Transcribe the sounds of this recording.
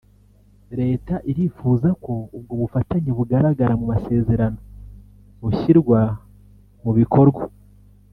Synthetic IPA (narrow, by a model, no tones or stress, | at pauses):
ɾe̞ːtaʔiɾifuːzako̞ubɡoːβufataɲiβuɡaɾaɡaɾamumase̞ːze̞ɾano̞ | βuçiɾɡwa | muβikʰo̞ɾɡwa